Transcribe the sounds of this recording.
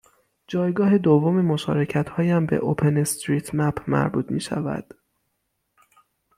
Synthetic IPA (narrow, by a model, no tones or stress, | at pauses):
d͡ʒɒːjɡɒːɦe̞d̪ovːomemo̞ʃɒ̰ːɾe̞cʰæt̪hɒːjæmbḛʔopʰe̞nest̪ɾiːt̪ʰmæpʰmæ̰ɾbuːt̪ʰmiːʃæ̰væ̰d̪̥